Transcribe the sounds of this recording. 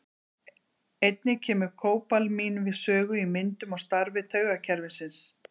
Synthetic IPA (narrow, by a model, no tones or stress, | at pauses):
ejt̪̚nɪcʰɛːmʏ̥kʰoːwpalmiːnvɪðsœːɣʏimɪnt̪ʏmɔɣst̪aɾvɪt̪ʰœːɥɣacʰɛɾvɪsɪns